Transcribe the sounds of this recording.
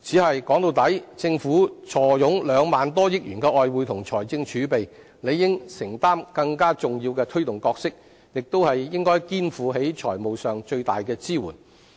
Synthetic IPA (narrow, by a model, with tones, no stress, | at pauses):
t͡sʰiː˨˥ɦɐ˨jkɔː˨˥ŋt̪o˧wt̪ɐ˨˥jt͡sɪ˧ŋfuː˨˥t͡sʰɔː˨˩jʊ˨˥ŋlœː˨˧ŋmaː˨nt̪̬ɔː˥jɪ˥k̚jyː˨˩nkɛː˧ʔɔː˨jwuː˨˧jt̪ʰʊ˨˩ŋt͡ʃʰɔ̰ː˨˩jt͡sɪ˧ŋt͡ʃʰyː˨˥pe˨j | le˨˧jːɪ˥ŋsɪ˨˩ŋt̪aː˥mkɐ˧ŋkaː˥t͡sʊ˨ŋjiː˧wkɛː˧t̪ʰɵ˥ɥt̪ʊ˨ŋkɔː˧k̚sɪ˥k̚ | jɪ˨k̚t̪o˥whɐ˨jːɪ˥ŋkɔː˥jkiː˥nfuː˨˥ɦe˨˥jt͡ʃʰɔ̰ː˨˩jmo˨wsœː˨ŋt͡ʃɵ˧ɥt̪a̰ː˨jkɛː˧t͡siː˥wuː˨˩n